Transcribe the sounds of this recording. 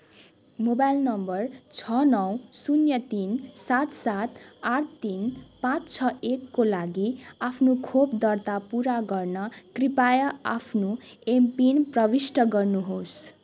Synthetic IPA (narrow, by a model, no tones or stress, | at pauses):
mobajlnʌmbʌrt͡sʰʌnʌwsunjʌt̪insat̪sat̪aʈt̪inpãt͡st͡sʰʌekːolaɡiapʰnokʰopd̪ʌrt̪apuɾaɡʌrnʌkripajʌa̰pʰnoempinprʌbisʈʌɡʌrnuɦos